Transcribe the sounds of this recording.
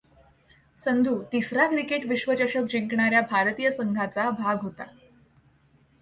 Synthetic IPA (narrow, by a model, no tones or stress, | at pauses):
sənd̪ʱuːt̪isɾakɾikeʈʋiɕʋəd͡ʑəɕək̚d͡ʑeŋkɳaɾjabʱaɾt̪ijəsəŋɡʱat͡sabʱaɡɦot̪a